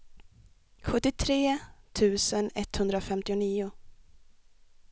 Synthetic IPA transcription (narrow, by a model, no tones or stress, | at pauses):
ɧɵt̪ːɪt̪ʰɾeːt̪ʰʉ̟ːsənɛt̪ːhɵnd̪ɾafɛmt̪ɪʊniːʊ